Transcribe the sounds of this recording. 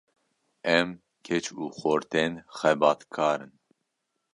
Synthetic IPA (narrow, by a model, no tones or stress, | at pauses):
ɛm | kʰɛt͡ʃuːxoːɾt̪eːnxɛbɑːt̪kʰɑːɾɨn